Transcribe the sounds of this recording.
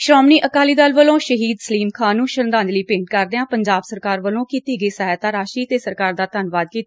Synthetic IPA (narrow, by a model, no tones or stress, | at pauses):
ʃɾɔːmniːʔəkaːliːd̪əlʋəlõːʃəɦiːd̪səliːmkʰãːnːũːʃənd̪ãːd͡ʒliːpẽːɳʈ̚kəɾd̪eːãːpəɲd͡ʒaːbsəɾkaːɾʋəlõːkiːt̪iːɡəːsəɦɛt̪aːɾaːʃiːt̪eːsəɾkaːɾd̪aːt̪ənʋaːd̪̚kiːt̪a